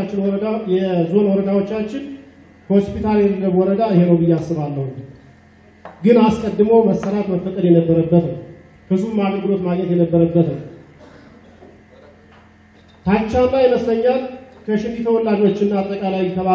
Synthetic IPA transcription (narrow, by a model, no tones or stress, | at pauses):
at͡ʃːɪnjɛzo̞nwɔɾəd̪awot͡ʃːat͡ʃːɪn | ho̞spʰit̪ʰaljɛt̪əɡəβwɔɾəd̪aheɾowβɨjːasːɨβalːəhu | ɡɨnaskʼəd̪ːɨməwməsːəɾat̪məfːət̪ʼəd̪jɛnəbːəɾəbːət̪nəw | kʰɨsumaɡəɡɨlo̞t̪maɡɲɛt̪jɛnəbːəɾəbːət̪nəw | t̪ʰat͡ʃːalːajɛməsləɲːalkʰəʃɪnd̪it̪ʰəwɔlːad͡ʒo̞t͡ʃːɨnːaat̪ʼːəkʼalawit̪ʰəβa